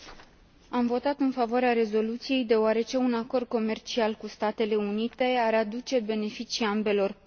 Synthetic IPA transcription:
amvo̞t̪at̪ɨnfavoaɾeaɾe̞zo̞lut̪sije̞jd̪e̞oaɾe̞t͡ʃe̞unako̞rd̪̚ko̞me̞rt͡ʃialkust̪at̪e̞le̞unit̪e̞aɾad̪ut͡ʃe̞be̞ne̞fit͡ʃiambe̞lo̞r

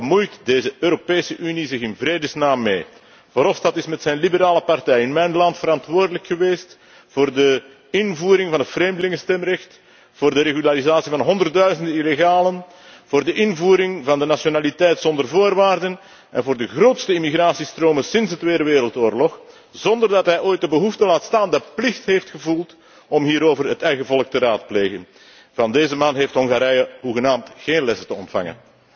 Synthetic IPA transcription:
mujtdeːzəøːɾopeːsəʔynizɪxɪnvreːdəsnaːmːḛː | vɑɾɔsdɑtɪsmɛtsɛjnlibəɾaːləpɑrtɛjɪnmɛjnlɑntfəɾɑntʋoːrdələkxəʋeːst | v̥oːrdə | ɪnvuːɾɪŋvɑnɦətfreːmdəlɪŋəstɛmrɛxt | vʊːrdəɾeɣylaɾizaːtsivɑnɦɔndərt̚dœɥzəndənileɣaːlən | v̥oːrdəʔɪnvuːɾɪŋvɑndənasjonaːlitɛjtsɔndərvoːrʋaːrdən | ʔɛ̰nvoːrdəɣroːtstəimiɣraːsistroːmənsɪnsɦətʋeːdəʋeːɾəlˠtoːrlɔx | zɔndərdɑtɦɛjoːjt̚dəbəɦuftəlaːtstaːndəplɪxtɦeːftxəvulˠt | ɔmɦiːɾoːvərɦətɛjɣəvɔlək̚təraːt̚pleːɣən | vɑndeːzəmaːnɦeːftɦɔŋɣaːɾɛjəɦuɣənaːmtxeːnlɛsətəɔ̰ntfɑ̰ŋə̰n

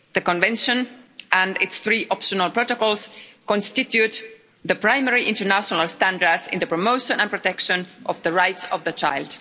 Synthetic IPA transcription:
ðəkɔ̃nvɛ̃nʃə̃nʔæ̃ndɪtsθɹiʔɔpʃənəlˠpɹotokɔlˠskɔ̃nstɪtjut̪ | ðəpɹãɪmɛɹiʔɪ̃ntəɹnæʃɔnalˠstæ̃ndəɹdsɪ̰̃nðəpɹɔmoʊʃə̃nə̃npɹɔtɛkʃə̃nʔɔvðəɹajtsɔvðət͡ʃa̰ɪld̥

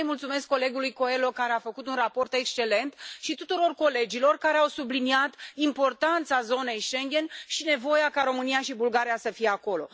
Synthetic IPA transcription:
əjmult̪sume̞skːo̞le̞ɡulujko̞e̞lo̞kaɾeafəkut̪unrapo̞rt̪e̞kst͡ʃe̞le̞nt̪ʃit̪ut̪uɾo̞rko̞le̞d͡ʒilo̞rkaɾe̞awsubliniat̪impo̞rt̪ant̪sazo̞ne̞jʃe̞ŋɡʲe̞nʃine̞vo̞jakaɾo̞mɨnijaʃibulɡaɾijasəfije̞ako̞lo̞̰

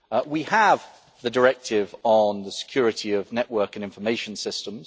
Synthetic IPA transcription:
wiəv | ðədəɹɛk̚tʰɪvən̩ðəsɪ̥kʰj̥ɔːɹɪtiəvnɛʔwɜˑkə̃nɪ̃ɱfəmeɪʃə̃nsɪstə̃mz̥

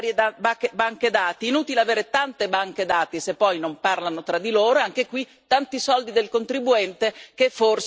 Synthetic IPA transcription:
ɾjebakebaŋked̪aːt̪iːnuːt̪ileaveːɾet̪ant̪ebaŋked̪aːt̪isepːɔjnomparlanot̪ɾad̪ːiloːɾoaŋk̟ekwit̪ːant̪isɔld̪id̪elkont̪ɾibuɛnt̪ekefːors

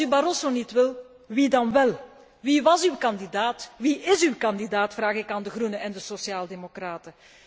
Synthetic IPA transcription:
ybaɾosonitʋɪl | ʋidɑnʋɛlˠ | ʋiʋɑzywkɑndidaːtʋiʔɪzywkɑndidaːtfraːɣɪkaːndəɣrunəʔɛndəsosjaːlˠdemokraːtə

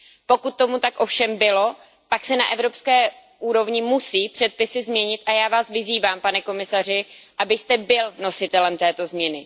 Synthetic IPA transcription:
po̞kut̪̚ːo̞mut̪akʔo̞fʃɛmbɪlo̞ | paksɛnaʔɛvɾo̞pskɛː | ʔuːɾo̞vɲɪmusiːpr̝̥ɛt̪̚pɪsɪzmɲɛɲɪt̪ʔajaːvaːsvɪziːvaːmpanɛko̞mɪsar̝ɪʔabɪst̪ɛbɪlno̞sɪt̪ɛlɛmt̪ɛːt̪o̞zmɲɛnɪ

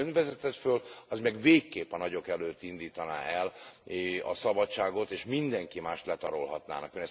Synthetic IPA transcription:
ønvɛzɛt̪ɛt̪føːlɒzmɛɡveːkːeːpɛnɒɟo̞kɛløːt̪ːind̪iːt̪ɒna̰ːʔɛl | ɒ̰sɒbɒtt͡ʃaːɡo̞t̪eːʃmind̪ɛŋkimaːʃt̪lɛt̪ɒɾolɦɒt̪na̰ːnɒkøːnɛs

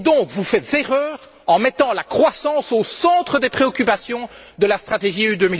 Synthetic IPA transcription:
d̪ɔ̃kvufɛt̪zeʁœːʁ | ɑ̃mɛt̪ɑ̃lakχwasɑ̃sosɑ̃t̪χəd̪epχeɔkʲypasjɔ̃ | d̪əlast̪χat̪eʒiyd̪øːmi

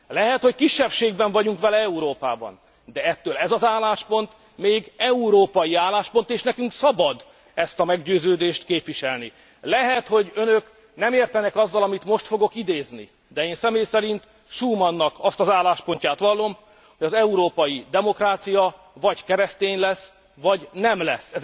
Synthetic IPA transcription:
lɛɦɛt̪ho̞ckiʃːɛpʃeːɡbɛɱvɒɟuŋkʋɛlɛɛuɾoːpaːbɒ̰n | d̪ɛɛt̪ːøːlɛzɒzaːlaːʃpo̞nt̪ | meːɡɛuɾoːpɒjiaːlːaːʃpo̞nt̪eːʃnɛkyŋksɒbɒd̪ | ɛst̪ɒmɛɡɟøːzøːd̪eːʃt̪keːpʋiʃɛlni | lɛɦɛt̪ho̞ɟønøk | nɛmeːrt̪ɛnɛkɒzːɒlɒmit̪mo̞ʃt̪fo̞ɡo̞kid̪eːznḭ | d̪ɛeːnsɛmeːjsɛɾint̪ | ʃuːmɒnːɒkʰɒst̪ɒzaːlːaːʃpo̞ɲcaːt̪ʋɒlːo̞m | hoɟɒzɛuɾoːpɒjid̪ɛmo̞kraːt̪sijɒ | vɒɟkɛɾɛst̪eːnlɛs | vɒɟnɛmlɛ̰sːɛ

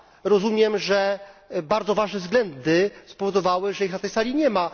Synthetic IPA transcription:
ɾɔzumʲjɛmʐɛbaɾd̪zɔvaʐnɛvzɡlɛnd̪ɘspɔvɔd̪ɔvawɘʐɛjixnat̪ɛjsalʲiɲɛma

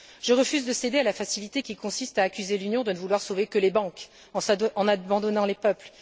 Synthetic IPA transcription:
ʒ̥əʁəfyzd̪əsed̪ealafasilit̪ekʲikɔ̃sist̪aːkʲyzelynjɔ̃d̪ənəvulwaʁsovekəlebɑ̃k | ɑ̃ɑ̃nabɑ̃d̪ɔnɑ̃lepœpl

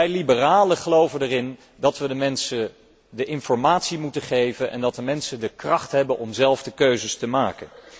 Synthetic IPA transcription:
ɛjlibəraːləχəlowvəndərɪn | dɑtʋədəmɛnsə | dəʔɪnfɔɹmaːtsimutəχejvənʔɛ̰ndɑt̚əmɛnsəndəkrɑχtɦɛbənʔɔmzɛlˠvdəkøɥzəstəmaːkən

